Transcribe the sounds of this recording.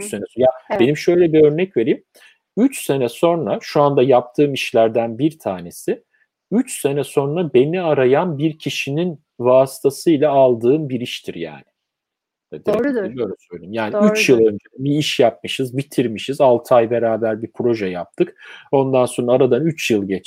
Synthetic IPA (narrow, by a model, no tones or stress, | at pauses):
yt͡ʃsenɛjabe̞nimʃø̞jlʲɛbiø̞ɾnɛcve̞ɾiːm | yt͡ʃse̞nɛso̞nɾaʃuand̪ajap̚t̪ʰɯːmiʃlʲæɾd̪ænbiɾt̪ʰaːne̞sɪ | yt͡ʃse̞nɛso̞nɾabe̞niaɾajanbiɾcʰiʃinin | vaːsi̥t̪ʰasɯjlˠaalˠd̪ɯːnbiɾiʃt̪ʰiɾja̰ːnɪ | d̪lioɾumsøjlʲeimjaːniiyt͡ʃjɯlˠø̞nd͡ʒebiiʃjap̚mɯʃɯzbit̪ʰiɾmiʃizalˠt̪ʰajbe̞ɾaːbæɾbipʰɾo̞ʒɛjap̚t̪ʰɯko̞nd̪anso̞nɾaɾad̪anyt͡ʃjɯlˠɟet͡ʃ